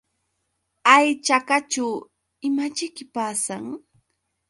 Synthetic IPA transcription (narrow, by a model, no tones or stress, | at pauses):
ajt͡ʃakat͡ʃaw | ɪmat͡ʃɪkɪpaːsaŋ